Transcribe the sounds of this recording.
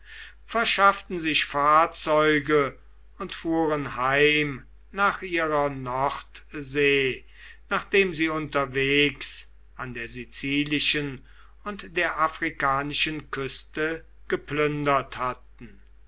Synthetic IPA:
fɛɐʃaftn̩zɪʃfaːɐt͡sɔʏɡə | ʊntfuːʁənhaɪm | naːχʔiːʁɐnɔʁtzeː | naːχd̥eːmziːʊntɐveːks | ʔandeːɐzit͡siːlɪʃən | ʊntd̥eːɐʔafʁ̥ikaːnɪʃənkʏstə | ɡ̥əplʏndɐthat̚n̩

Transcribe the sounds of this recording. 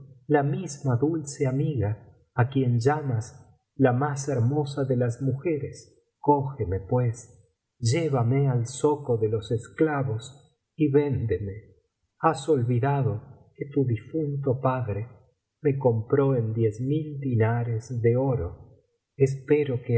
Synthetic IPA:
lamizmaðulseamiɣaː | kjenʒamas | lamaseɾmo̞saðelazmuxeɾes | koxemepwes | ʒeβamealsokoðelo̞sesklaβos | iβend̪eme | aso̞lβiðaðoket̪uðifunt̪opaðɾe | me̞kompɾoend̪jezmild̪inaɾezðeoɾo | es̬peɾoke

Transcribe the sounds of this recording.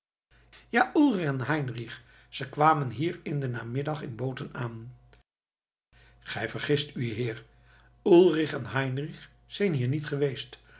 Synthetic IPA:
jaːʔulˠrɪχɛnɦɛjnriχ | z̥əjkʋaːmənɦiːɹɪndənaːmɪdɑχɪnbowtənaːn | χɛjvəɹχɪstʰyɦɪːɹ | ulˠrɪχɛnɦɛjnriχ | sɛjnɦiːɹnitχəʋejst

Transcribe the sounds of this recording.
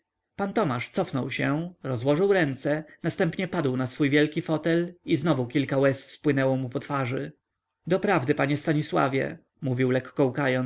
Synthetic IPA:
pant̪ɔmaʂt̪sɔfnɔwɕɛɾɔzwɔʐɘwɾɛnt̪sɛnast̪ɛmpɲɛpad̪wnasfujvʲjɛlkʲifɔt̪ɛliznɔvukʲilkawɛsspwɘnɛwɔmupɔt̪faʐɘ | d̪ɔpɾavd̪ɘpaɲɛst̪aɲiswa̰vʲjɛ̰ | muvʲiwlɛkːɔukajɔn

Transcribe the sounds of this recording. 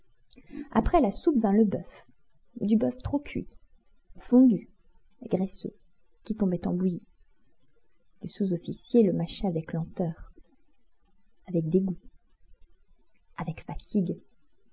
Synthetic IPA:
a̰pχɛlasupvɛ̃ləbœf | d̪ybœft̪χokʰɥḭ | fɔ̃d̪y | ɡʁɛso̰ | kʲit̪ɔ̃bɛt̪ɑ̰̃buji | lesuzɔfisjeləmaʃɛavɛklɑ̃t̪œːʁ | avɛk̚d̪eɡu | avɛkfat̪iɡ

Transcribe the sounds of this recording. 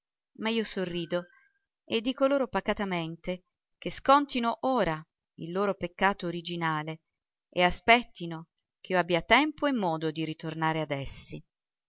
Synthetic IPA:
maiːosorːiːd̪o | ed̪ːiːkoloːɾopakat̪ament̪e | k̟eskɔnt̪inoʔoːɾa | ilːoːɾopekːaːt̪oːɾid͡ʒinaːle | easpɛt̪ːino | k̟eioabːiat̪ɛmpoemːɔːd̪od̪iɾit̪ornaːɾead̪ɛsːi

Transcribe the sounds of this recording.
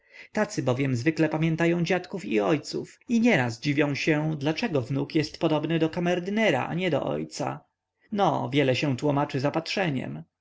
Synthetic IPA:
t̪at̪sɘbɔvʲjɛmzvɘklɛpamʲjɛnt̪ajɔ̃w̃d͡ʑat̪kufiɔjt̪sṵfiɲɛɾasd͡ʑivʲjɔ̃w̃ɕɛd̪lat͡ʂɛɡɔvnukjɛst̪pɔd̪ɔbnɘd̪ɔkamɛɾd̪ɘnɛɾa̰ʔa̰ɲɛd̪ɔ̰ʔɔ̰jt̪sa̰ | nɔ̰vʲjɛlɛɕɛ̃t̪wumat͡ʂɘzapat̪ʂɛɲɛ̰m

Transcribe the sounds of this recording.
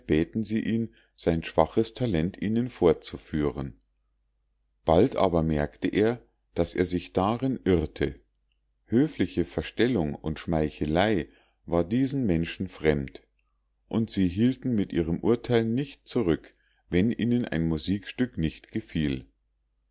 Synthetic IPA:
b̥ɛːtn̩ziːʔiːn | z̥aɪnʃv̥aχəstʰalɛntʔiːnənfoːɐt͡sufyːʁən | b̥altʔa̰ːbɐmɛɐktəʔeːɐ | d̥asʔḛːɐzɪçd̥aʁɪnʔɪʁtʰə | høːflɪçəfɛɐʃtɛlʊŋʊntʃmaɪçəlaɪ | vaːɐdiːzn̩mɛnʃn̩fʁ̥ɛmt | ʔʊntz̥iːɦiːltn̩mɪtʔiːʁəmʔʊɐtʰaɪlnɪçt̚t͡suʁʏk | vɛnʔiːnənʔa̰ɪnmuziːkʃtʏknɪçtɡ̥əfiːl

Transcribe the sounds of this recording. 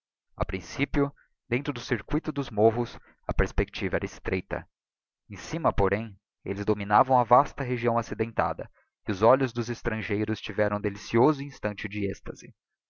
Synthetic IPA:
a̰pɾĩsipjʊ | d̪ẽnt̪ɾʊd̪ʊsiɾkuijt̪ʊd̪ʊzmoɦʊs | ɐpeɾspekt͡ʃivɐɛɾɐɪst̪ɾʔejt̪ɐ̰ | ẽsimɐpoɾẽj̃ | ḛlɪzd̪ominavɐ̃w̃ɐvast̪ɐɦeʒiɐ̃w̃asid̪ẽnt̪a̰d̪ɐ | ɪʊzɔʎʊzd̪ʊzɪst̪ɾɐ̃ʒejɾʊst͡ʃivɛɾɐ̃w̃d̪elisiozʊĩst̪ɐ̃nt͡ʃɪd͡ʒɪɛst̪ɐzɪ

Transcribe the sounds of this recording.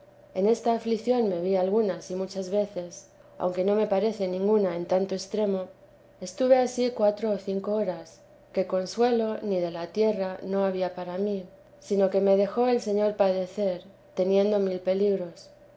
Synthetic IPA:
e̞ne̞st̪aːfliθjo̞nme̞β̞ialɣ̞unasimut͡ʃazβe̞θe̞s | a̰wŋke̞no̞me̞paɾe̞θe̞nĩŋɡunae̞nt̪ant̪o̞e̞st̪ɾe̞mo̞ | e̞st̪uβ̞e̞asikwat̪ɾo̞ːθiŋko̞oɾas | ke̞ko̞nswe̞lo̞nið̞e̞lat̪je̞rano̞aβiapaɾami | sino̞ke̞me̞ð̞e̞xo̞e̞lse̞ɲoɾpaðe̞θe̞ɾ | t̪e̞njẽ̞nd̪o̞milpe̞liɣɾo̞s

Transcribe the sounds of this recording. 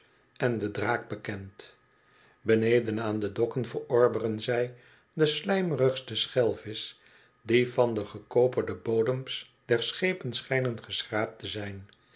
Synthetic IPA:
ɛndədraːɡ̚bəkɛnt | bənejdənaːndədɔkənvəɹɔɹbərənzɛj | dəslɛjmərəχstəsχɛlˠvɪs | divɑndəχəkowpəɹdəbowdəms | d̥ɛɹsχejpənsχɛjnənχəsχraːp̚təzɛjn

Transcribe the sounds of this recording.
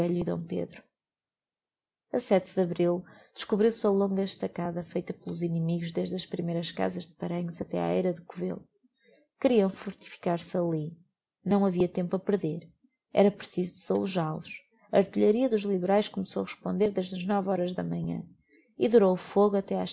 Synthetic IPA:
ɛʎuiðɐ̰̃w̃pḛðɾu | ɐsɛt̪ðɐβɾilˠd̪̥ɨʃkuβɾiwsɐlˠõŋɡɐʃt̪ɐkaðɐfejt̪ɐpɨlˠuzinɨmiɣuʒðeʒðɐʃpɾimejɾɐʃka̰zɐʒðɨpɐɾɐɲuzɐt̪ɛa̰ɛjɾɐðɨkuvḛlˠ | kɾiɐ̃w̃fuɾt̪i̥fi̥kaɾsɐlˠi | nɐ̃w̃ɐviɐt̪ẽmpuɐpɨɾðeɾ | ɛ̰ɾɐpɾsizud̪ɨz̥ɐlˠuʒalˠuʃ | ɐɾt̪iʎɐɾiɐðuʒlˠiβɨɾajʃkumsowɐʁɨʃpõnd̪eɾðeʒðɐʒnɔvɔɾɐʒðɐ̰mɐɲɐ̰̃ | iðuɾowufoɣuɐt̪ɛaʃ

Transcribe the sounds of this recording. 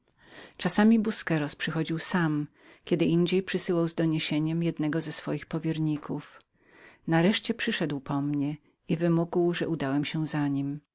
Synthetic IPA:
t͡ʂasamʲibuskɛɾɔspʂɘxɔd͡ʑiwsam | kʲɛd̪ɘʔiɲd͡ʑejpʂɘsɘwawzd̪ɔɲeɕeɲɛmjɛd̪nɛɡɔzɛsfɔjixpɔvʲjeɾɲikʰuf | naɾɛʂt͡ɕɛpʂɘʂɛd̪wpɔmɲɛ | ivɘmuɡwʐɛʔud̪awɛmɕɛzaɲim

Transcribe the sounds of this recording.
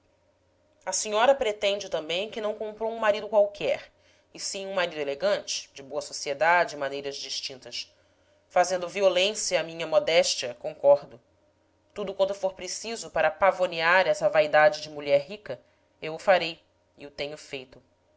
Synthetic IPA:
ɐsiɲɔɾɐpɾet̪ẽnd͡ʒɪt̪ɐ̃mbẽj̃kɪnɐ̃w̃kõmpɾowũmaɾid̪ʊkwawkʰɛɾ | ɪsĩũmaɾid̪eleɡɐ̃t͡ʃɪ̥d͡ʒɪboɐsosied̪ad͡ʒɪɪmanejɾɐzd͡ʒiʃt͡ʃĩnt̪ɐs | fazẽnd̪ʊviolẽsjɐːmĩɲɐmɔd̪ɛʃt͡ʃiɐkõŋkɔɾd̪ʊ | t̪ud̪ʊkwɐ̃nt̪ʊfoɾpɾesizʊpaɾɐpavoniaɾɛsɐvaid̪ad͡ʒɪd͡ʒɪmuʎɛɾɦikɐ | ewʊfaɾej | ɪʊt̪ẽɲʊfejt̪ʊ

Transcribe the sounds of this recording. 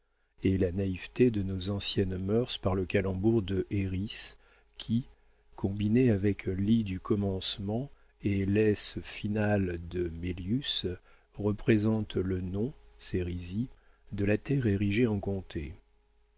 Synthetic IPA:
elanaivt̪ed̪ənozɑ̃sjɛnmœʁspaʁləkalɑ̃buʁd̪əʔeʁis | kʲʰi | kʰɔ̃bineavɛklid̪ykʰɔmɑ̃smɑ̃ | elɛsfinald̪əmeljys | ʁəpχezɑ̃t̪lənɔ̃seʁizi | d̪əlat̪ɛʁeʁiʒeɑ̃kɔ̃t̪ʰe

